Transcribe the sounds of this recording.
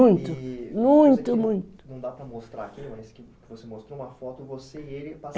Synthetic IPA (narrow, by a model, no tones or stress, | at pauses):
ũj̃t̪ʊmũj̃t̪ʊmũj̃t̪ʊ̥nɐ̃w̃d̪apɾɐmost̪ɾakilmãjskɪ | vosemost̪ɾoũmɐfɔt̪ʊvoseielɪpa